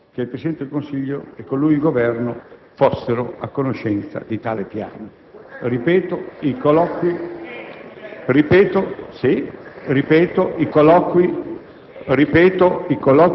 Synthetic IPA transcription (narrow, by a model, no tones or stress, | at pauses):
keilpɾesid̪ɛnt̪ed̪elkonsiʎːoekːolːujilɡovɛrno | fosːeɾoakːonoʃɛnt̪sa̰d̪it̪aːlepja̰ːno | ripɛːt̪oikolɔkwi | ripɛːt̪osiripɛːt̪oʔikolɔkwi | ripɛːt̪oikolɔk